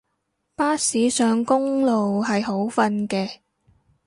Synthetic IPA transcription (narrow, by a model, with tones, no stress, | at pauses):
paː˥siː˨˥sœː˨˧ŋkʊ˥ŋlo˨wɦɐ˨jɦo˨˥wfɐ˧nkɛː˧